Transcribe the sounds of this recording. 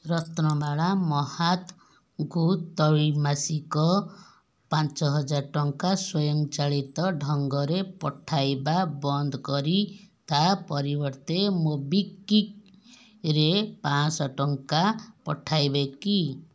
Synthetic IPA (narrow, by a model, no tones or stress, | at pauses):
ɾɔt̪nɔbʱaɭamɔhat̪ | ɡʱut̪ɔwimasikɔ | pãnt͡ʃɔɦɔd͡ʒaɾʈɔŋkaswɔjɔmt͡ʃaɭit̪ɔɖʱɔŋɡɔɾepɔʈʰajbabɔnd̪ʱkɔɾit̪apɔɾibɔɾt̪emobikːik | ɾepãsɔʈɔŋkapɔʈʰajbeki